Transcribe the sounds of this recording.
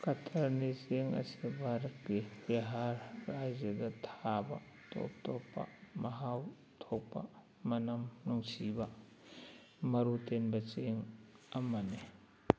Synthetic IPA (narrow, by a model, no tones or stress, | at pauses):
kɐtʰɐɾniseŋɐ̰sibʱaɾɐt̚kiɾeɦaɾːajzɐdɐtʰabɐ̰ | to̰p̚tʰopːɐ̰mɐɦaw | tʰok̚pɐ̰ | mɐnɐmnuŋsibɐ | mɐɾutenbɐt͡ʃeŋɐmɐni